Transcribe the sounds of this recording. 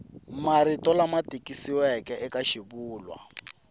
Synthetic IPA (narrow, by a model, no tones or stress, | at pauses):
maɾitʼɔlamatʼikʼisiwɛkʼɛʔɛkaʃiβuːlwa̰